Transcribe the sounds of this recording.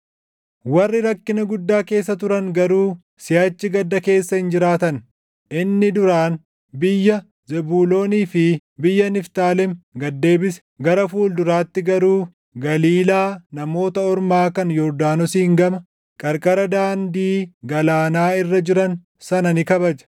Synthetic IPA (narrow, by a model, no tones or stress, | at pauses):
wɐrːɪɾɐkːɪnɐɡʊd̪ːaːke̞ːsːɐt̪ʊɾɐŋɡɐɾuː | sɪjaːt͡ʃːɪɡɐd̪ːɐke̞ːsːɐhɪnd͡ʒɪɾaːt̪ɐn | ɪnːɪd̪ʊɾaːn | bɪjːɐ | zɛbuːlo̞ːniːfɪbɪjːɐnɪft̪aːlɛmɡɐd̪ːe̞ːbɪsɛ̥ɡɐɾɐfuːld̪ʊɾaːt̪ːɪɡɐɾuː | ɡɐliːlaːnɐmo̞ːt̪ɐɔɾmaːkɐnjɔɾd̪aːnɔsiːŋɡɐmɐ | kʼɐɾkʼɐɾɐd̪aːnd̪iːɡɐlaːnaːɪrːɐd͡ʒɪɾɐn | sɐnɐnɪkɐbɐd͡ʒɐ̥